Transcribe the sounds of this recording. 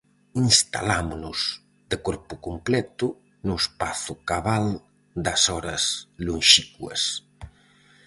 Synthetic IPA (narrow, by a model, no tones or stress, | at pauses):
inst̪a̰lamunʊz | d̪̥ekɔɾpʊkumplɛt̪ʊ | nʊespaθʊkaβal | d̪ɐsɔɾɐslunʃikwɐ̰s